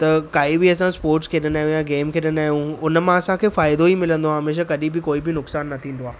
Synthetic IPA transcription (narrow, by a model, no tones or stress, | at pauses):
t̪ɐkaːibɪɐsãspoːɾʈskʰeːɗənaːɦjũjaɡeːmkʰeːɗənaːɦijũʊnmãɐsãkʰeːfaːɪd̪oimɪlə̃nd̪oãɦɐmeːʃ̬akɐɗĩbɪkoːibɪnʊksaːnːɐt̪ʰĩːnd̪oaː